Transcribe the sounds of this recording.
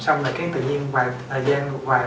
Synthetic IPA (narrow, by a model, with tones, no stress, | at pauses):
sa˧wŋ͡mləː˨˩kaː˨˦jt̪ɨ̰˧˨ɲi˧ənwaː˨˩ | əː˨˩zɛː˧n˧waː˨˩